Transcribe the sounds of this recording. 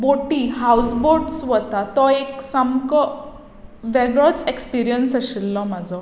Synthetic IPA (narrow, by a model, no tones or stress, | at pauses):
boʈiɦawsboɾɖsʋɔt̪at̪ɔeksamkɔ | ʋɛɡɭɔt͡sekspiɾijənsəɕilːɔmad͡zɔ